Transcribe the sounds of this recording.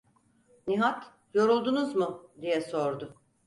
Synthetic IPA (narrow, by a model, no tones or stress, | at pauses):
niɦat̪ | jo̞ɾulˠd̪unuzmʊd̪ijɛso̞ɾd̪ʊ